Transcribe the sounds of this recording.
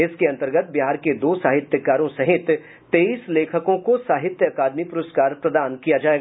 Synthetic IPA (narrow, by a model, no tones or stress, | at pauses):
ɪskeɐ̃nt̪əɾɡət̪̚ʰbiɦaːɾked̪oːsaːɦɪt̪jəkaːɾõsɐɦɪt̪ː | eːiːsleːkʰəkõkosaːɦɪt̪jəɐkaːd̪mipʊɾəskaːɾpɾɐd̪aːnkijad͡ʒaːeːɡ